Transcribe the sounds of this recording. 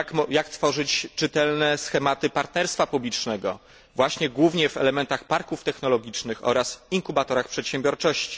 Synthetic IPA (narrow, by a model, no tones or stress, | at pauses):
kjakt̪fɔʐɘt͡ɕt͡ʂɘt̪ɛlnɛsxɛmat̪ɘpaɾt̪nɛɾst̪fapublʲit͡ʂnɛɡɔ̰ | vwaɕɲɛɡwuvɲɛvɛlɛmɛnt̪axpaɾkuft̪ɛxnɔlɔɡʲit͡ʂnɘxɔ̰ɾasiŋkubat̪ɔɾaxpʂɛt̪ɕɛmbʲɔɾt͡ʂɔɕt͡ɕi̥